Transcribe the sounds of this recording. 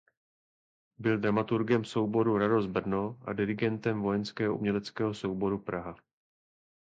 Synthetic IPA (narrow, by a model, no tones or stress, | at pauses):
bɪld̪ɾamat̪uɾɡɛmso̞wbo̞ɾuɾado̞zbr̩noʔa̰dɪɾɪɡɛnt̪ɛmvo̞jɛnskɛːɦoʔṵmɲɛlɛt͡skɛːɦo̞so̞wbo̞ɾupɾʔaɦa